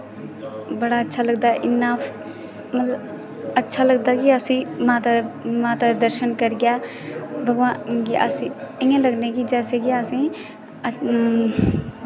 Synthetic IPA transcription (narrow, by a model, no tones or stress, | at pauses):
bəɽaːətːʃʰaːləɡ̚d̪aːʔɪnːaː | mət̪ləb | ətːʃʰaːləɡ̚d̪aːkɪəsĩːmãːt̪amãːt̪aːd̪əɾʃənkəɾɡɪjaː | bʱəɡʋaːkiʔə̰siːɪːãːləɡneːkid͡ʒɛːseːkiəsĩː